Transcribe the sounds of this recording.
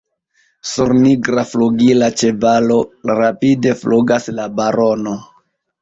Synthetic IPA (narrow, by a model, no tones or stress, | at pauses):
suɾniɡɾafluɡilat͡ʃe̞balo̞ɾapide̞fluɡaslabaɾo̞no̞